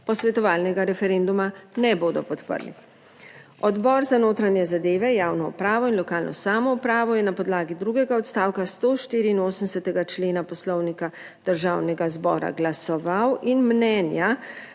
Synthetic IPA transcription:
pɔsʋɛt̪ɔʋaːlnɛɡaɾɛfɛɾend̪umanɛboːd̪ɔpɔt̪pə̰ɾlḭ | ɔd̪bɔːɾzanoːt̪ɾanjɛzad̪eːʋɛjaːwnɔṵpɾaːʋɔinlɔkaːlnʔɔ̰saːmɔupɾaːʋɔjɛnapɔd̪laːɡid̪ɾuːɡɛɡaɔt̪st̪aːwkast̪oːʃt̪iːɾiːnoːsən̩sɛt̪ɛɡat͡ʃleːnapɔslɔwnika | d̪̥əɾʒaːwnɛɡazbɔ̰ːɾa̰ɡlasɔʋawinmnɛnja

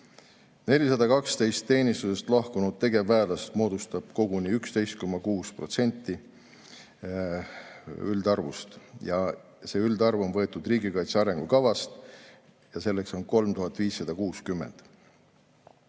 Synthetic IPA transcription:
ne̞lʲisɑd̪ɑkɑkst̪e̞jst̪ːe̞ːnist̪use̞st̪lɑhkunud̪̥̚t̪ːe̞ɡ̥e̞vːæːlɑst̪mo̞ːd̪ust̪ɑb̥̚ko̞ɡ̥uniːykst̪e̞jst̪̚ko̞mːɑkuːspro̞t̪se̞nʲt̪ːi | yld̪ɑrvust̪jɑ | se̞ːyld̪ɑrvo̞nvɤ̞e̞t̪ːˑud̪riːɡikɑjt̪seɑɾe̞ŋɡ̥ukɑvɑst̪ | jɑse̞lːe̞kso̞nko̞lmt̪uɦɑt̪ːˑviːsːɑd̪̥ɑkuːskymːe̞̰nd̪̥

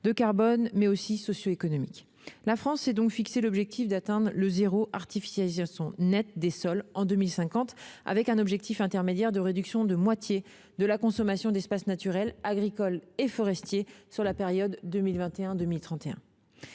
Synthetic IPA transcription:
d̪əkaʁbɔnmɛosisɔsjoekɔnɔmik | lafχɑ̃sːɛd̪ɔ̃kfikselɔbʒɛk̚t̪ʰifd̪at̪ɛ̃d̪ʁləzeʁoʔaʁt̪ifi̥sjalizasjɔ̃nɛt̪̚d̪esɔlɑ̃d̪ømilsɛ̃kɑ̃t̪a̰vɛkɛ̃nɔbʒɛk̚t̪ʰifɛ̃t̪ɛʁmed̪jɛʁd̪əʁed̪yksjɔ̃d̪əmwat̪je | d̪əlakɔ̃sɔmasjɔ̃d̪ɛspasnat̪yʁɛlaɡʁikɔlefɔʁɛst̪jesyʁlapeʁjɔd̪ːəmilvɛ̃t̪eɛ̃d̪əmilt̪χɑ̃t̪eɛ̰̃

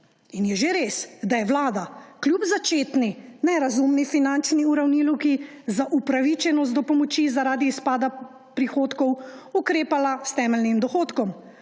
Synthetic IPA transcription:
injɛʒeɾesd̪ajɛʋlaːd̪akljubzat͡ʃeːt̪ninɛɾazumnifinant͡ʃniuɾawniːluki | zaʔupɾaʋit͡ʃɛnɔst̪d̪ɔpɔmɔt͡ʃizaɾaːd̪ispaːd̪a | pɾixoːt̪kɔwukɾeːpalast̪ɛːmɛlnimd̪ɔxoːt̪kɔm

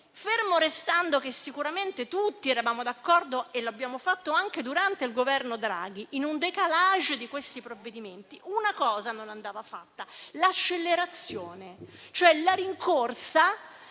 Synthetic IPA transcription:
fermoɾest̪and̪okesːikuɾament̪et̪ut̪ːiɛɾavaːmod̪akːɔrd̪oeloabːjaːmofat̪ːoaŋked̪uɾant̪eilɡovɛrnod̪ɾa̰ːɡ̟iʔːnund̪ekalaʒd̪ikwest̪ipɾovːed̪iment̪iʔunakɔːzanonand̪aːvafa̰t̪ːalat͡ʃːelːeɾat̪sːjoːnet͡ʃoɛlaɾiŋkorsa

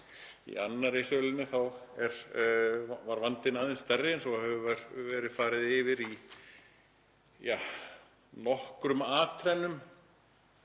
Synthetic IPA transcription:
ḭanːaresœːlɪnːɪθawɛɾ | vaɾvant̪ɪnaːðɪnst̪ɛɾːɪɛnsɔhɛvʏvɾvɛːɾɪfaːɾɪðɪvɪɾi | ja | nɔhkɾʏmaːt̪ʰɾɛnːʏm

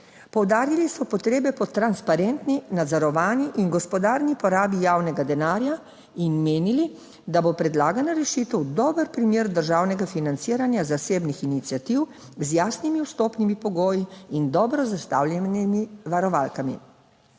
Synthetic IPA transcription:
pɔwd̪aːɾilisɔpɔt̪ɾeːbɛpɔt̪ɾanspaɾeːnt̪ninad̪zɔɾɔʋaːniʔinɡɔspɔd̪aːɾnipɔɾaːbijaːwnɛɡad̪ɛnaːɾja | inmeːnili | d̪abopɾɛd̪laːɡanaɾɛʃiːt̪əwd̪ɔːbəɾpɾimeːɾd̪əɾʒaːwnɛɡafinant̪siːɾanjazaseːbnixinit̪sijat̪iw | zjaːsnimiust̪oːpnimipɔɡoːjiind̪ɔːbɾɔzast̪aːwlʲɛnimiʋaɾɔʋaːlkamḭ

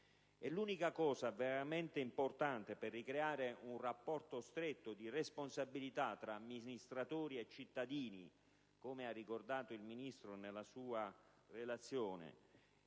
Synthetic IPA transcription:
ɛlːuːnikakɔːsaveɾament̪eimport̪ant̪eperːikɾeaːɾeunrapːɔrt̪ost̪ɾet̪ːod̪iresponsabilit̪at̪ːɾamːinist̪ɾat̪uːɾiet͡ʃːit̪ːad̪iːni | komearːikord̪aːt̪oilminist̪ɾonelːasuːa | relat̪sːjoːnḛ

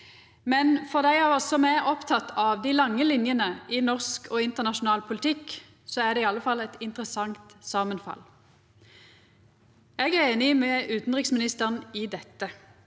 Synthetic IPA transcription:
mɛnfɔʁd̪æɪɑɔsɔmæʁɔpt̪ʰɑt̪ːɑʋd̪ɪlɑŋːəlɪnjənəʔɪnɔʁskʰoːɪnt̪əʁnɑʃʊnɑːlpʰʊlt̪ʰɪkː | sɔæʁd̪ɛiːɑlːəfɑlːɛt̪ɪnt̪ʁəsɑŋt̪sɑːmənfɑ̰l | ɛɡæʁeːnɪmɛʔʉːt̪n̩ʁɪksmɪnɪst̪əʁənɪd̪ɛt̪ːə

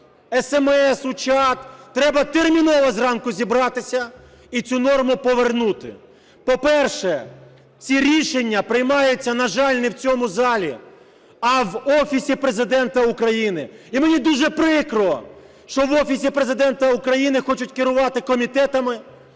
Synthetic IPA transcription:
ɛsɛmɛsʊt͡ʃɑt̪ːɾɛbɐt̪ermʲinɔʋɐzrɑnkʊzʲibɾɑt̪ɪsʲɐ | it͡sʲunɔrmʊpɔʋernut̪ɪ̰ | pɔpɛrʃɛ | t͡sʲiɾʲiʃenʲːɐpɾɪjmɑjʊt͡sʲːɐnɐʒɑlʲnɛwt͡sʲɔmʊzɑlʲi | ɐʋɔfʲisʲipɾe̞zɪd̪ɛnt̪ɐʊkɾɐjinɪimenʲid̪uʒɛpɾɪkɾɪɔ̰ | ʃt͡ʃɔʋɔfʲisʲipɾezɪd̪ɛnt̪ɐukɾɐjinɪxɔt͡ʃʊtʲkɪɾʊʋɑt̪ɪkɔmʲit̪ɛt̪ɐmɪ

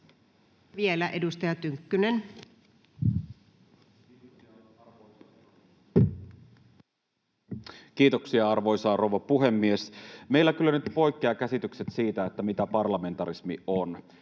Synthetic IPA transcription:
ʋielæʔedust̪ɑjɑt̪yŋkːynen | kiːt̪oksiɑɑrʋo̞jsɑːrowʋɑpuɦemːiesme̞ilːæk̟ylːænyt̪po̞jkːeɑkæsit̪ykset̪siːt̪æet̪ːæmit̪æpɑrlɑme̞nt̪ɑɾismion

